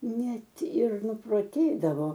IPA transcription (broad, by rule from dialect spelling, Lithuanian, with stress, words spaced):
ˈnʲɛt ɪr nʊproːˈtʲeːdɐʋoː